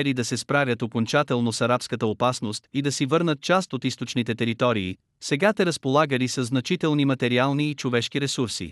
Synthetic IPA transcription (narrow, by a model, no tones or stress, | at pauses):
lid̪ɐsɛspɾavʲjət̪okont͡ʃat̪ɛlˠnosɐɾapskət̪əopasnost̪id̪ɐsivɤɾnət̪̚t͡ʃast̪ot̪ist̪ot͡ʃnit̪ɛt̪ɛɾit̪ɔɾiː | sɛɡat̪ɛɾəspolˠaɡəlisɐzːnɐt͡ʃit̪ɛlˠnimɐt̪ɛɾialˠniːt͡ʃovɛʃkiɾɛsuɾsḭ